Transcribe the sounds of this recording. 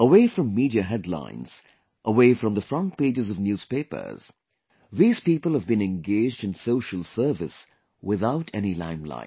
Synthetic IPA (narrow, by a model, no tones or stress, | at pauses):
əweɪfɹʌ̃mːiɾiɨɦɛdˡlã̰ɪ̃nz̥ | ʔəweɪfɹʌ̃mðəfɹʌ̃nt̚peɪd͡ʒɨzʌvnjuːz̥peɪpə̰˞z̥ | ðiːz̥piːpəl̩ˠhəvbɨ̃nɛ̃nɡeɪd͡ʒdɨ̃nsoʊʃəl̩ˠsɜ˞vɨs | wɪðaʊtʰɛnilã̰ɪ̃mlã̰ɪ̃